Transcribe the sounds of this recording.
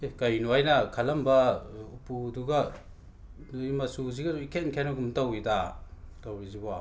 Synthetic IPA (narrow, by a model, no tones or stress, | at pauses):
kɐjnuajnɐkʰɐlɐmbɐupuduɡɐ | nujmɐsuziɡɐikʰenkʰenɐɡumtɐwitatawiziba